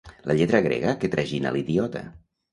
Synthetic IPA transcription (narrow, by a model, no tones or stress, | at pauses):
ləʎɛt̪ɾəɣɾɛ̰ɣəket̪ɾʔəʒina̰liðiɔt̪ə̰